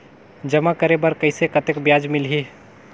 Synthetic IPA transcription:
d͡ʒəmakəɾebəɾkəɪsekət̪ekbjad͡ʒmɪlɦi

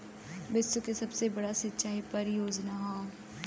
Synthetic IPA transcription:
bɪsːukesɐbsebɐɽasɪtːʃaːipɐɾɪjoːd͡ʒnaɦãː

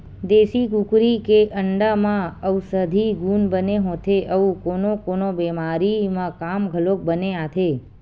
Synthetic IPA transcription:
d̪eʃikukɾikeʔəɳɖamãəwsəd̪ʱiɡunbəneɦõt̪ʰeʔəũkonokonobɛmaɾimãkamɡʱəlok̚bəneat̪ʰe

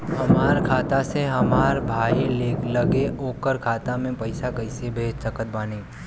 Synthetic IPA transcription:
ɦɐmaːɾkʰaːt̪aseɦɐmaːɾbʱaːileːkləɡeoːkəɾkʰaːt̪amẽpəɪsakəɪsebʱeːd͡ʒt̪əkət̪̚baːniː

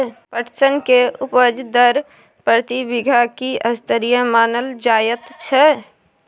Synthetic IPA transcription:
pəʈsənkeʔʊpəd͡ʒd̪əɾ | pɾɾt̪ibiɡʱakiəst̪əɾijəmaːnəld͡ʒaːjət̪t͡ʃʰɛ

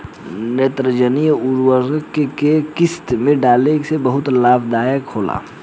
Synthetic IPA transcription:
net̪ɾəd͡ʒənijuɾwəɾkekekɪst̪mẽɖaːleksebəɦʊt̪laːbʰd̪aːjəkhoːla̰ː

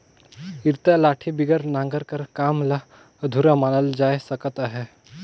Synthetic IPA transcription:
iɾt̪alaːʈʰibiɡəɾnãŋɡəɾkəɾkaːmla | d̪ʱuɾamaːnəld͡ʒaːjsəkət̪aɦe

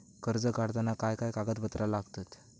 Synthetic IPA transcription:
kəɾd͡zəkaɽt̪anakajkajkaɡət̪bət̪ɾalaɡt̪at̪

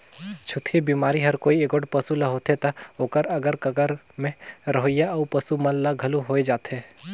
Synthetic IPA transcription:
t͡ʃʰʊt̪ʰebiːmaːɾiɦɐɾkoːieːɡoʈpɐsulɐɦoːt̪ɦet̪ɐoːkəɾɐɡəɾkɐɡəɾ | mẽɾɐɦojaɐupɐsumɐllaɡʱɐluɦoːed͡ʒaːt̪eː

